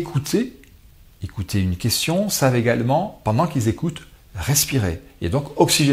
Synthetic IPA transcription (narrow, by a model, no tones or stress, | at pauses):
kʰut̪ʰe | ekut̪ʰeynkʲɛst̪jɔ̃saveɡalmɑ̃pɑ̃d̪ɑ̃kilzekut̪ | ʁɛspiʁeḛd̪ɔ̃kɔksiʒe